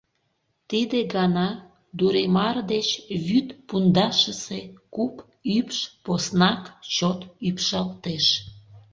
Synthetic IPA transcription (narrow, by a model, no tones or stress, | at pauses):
t̪id̪eɡɑnɑ | d̪uɾemɑrd̪et͡ɕβyt̪pund̪ɑʃəsekup | ypʃposnɑkt͡ɕot̪ypʃɑlt̪eʃ